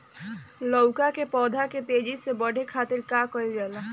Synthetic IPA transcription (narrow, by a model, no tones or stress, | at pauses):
lɔʊkakepɔːd̪ʱaket̪eːd͡ʒisebəɽʱekʰaːt̪ɪɾkaːkəid͡ʒɛːla